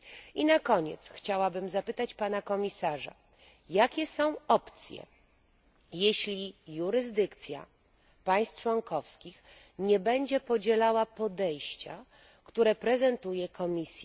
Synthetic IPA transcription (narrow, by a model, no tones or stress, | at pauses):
inakɔɲɛ̰t̪sxt͡ɕawabɘmzapɘt̪at͡ɕpanakɔmʲisaʐa̰ | jakʲɛsɔ̃w̃ɔpt̪sʲjɛ̰ | jeɕlʲijuɾɘzd̪ɘkt̪sʲja̰ | paj̃st̪t͡ʂwɔŋkɔfskʲix | ɲɛbɛɲd͡ʑɛpɔd͡ʑɛlawapɔd̪ɛjɕt͡ɕa | kt̪uɾɛpɾɛzɛnt̪ujɛkʰɔmʲisʲjɛ